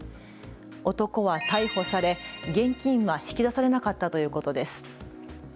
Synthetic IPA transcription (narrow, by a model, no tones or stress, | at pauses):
o̞t̪o̞ko̞βat̪aiho̞saɾe̞ɡẽ̞ŋkʲĩɰ̃βaçi̥kʲid̪asaɾe̞nakat̪ːat̪o̞jɯ̟ːko̞t̪o̞d̪e̞sɨ̥